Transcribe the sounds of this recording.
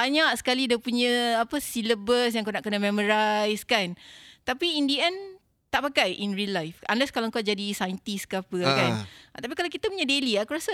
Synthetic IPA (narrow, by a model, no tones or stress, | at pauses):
baɲaʔsə̥kalidapuɲə̃apəsiləbəs̬jaŋkonaʔkənəmɛməɾajskant̪apiindiɛn | t̪aʔpakajʔinrilːajfanlɛskalaŋkad͡ʒadisajənt̪iskapəkant̪ap̬ikalawkit̪əpuɲədeliakuɾasa